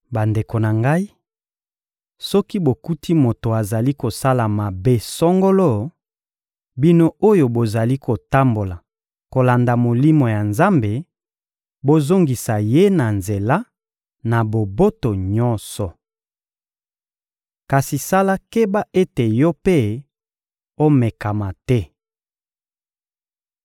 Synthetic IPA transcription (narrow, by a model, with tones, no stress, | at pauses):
ba˨nde˨ko˨na˨ŋɡa˦i˦ | sɔ˦ki˦bo˨ku˦tʰi˦mo˨to˨a˨za˨li˦ko˨sa˦la˨ma˨be˦sɔ˦ŋɡo˦lo˦ | bi˦no˦o˦jo˨bo˨za˨li˦ko˨ta˦mbo˨la˨ | ko˨la˨nda˨mo˨li˦mo˨ja˨nza˦mbe˨ | bo˦zo˦ŋɡi˨sa˨je˦na˨nze˨la˦ | na˨bo˨bo˦to˨ɲɔ˦nsɔ˨ | ka˨si˨sa˦la˦ke˦ba˦ʔe˦te˨jɔ˦pe˦ | o˦mɛ˨ka˨ma˨tɛ˦